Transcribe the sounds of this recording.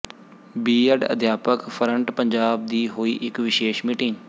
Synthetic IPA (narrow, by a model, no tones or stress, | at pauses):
biːəɖə̰d̪ʱjaːpəkpʰəɾəɳʈpəɲd͡ʒaːb̚d̪iːɦoːiːʔɪkʋɪʃeːʃmiːʈɪŋ